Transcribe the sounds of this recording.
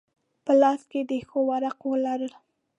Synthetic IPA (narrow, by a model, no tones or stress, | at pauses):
pəlɑsked̪əxowaɾaqwəlaɾəl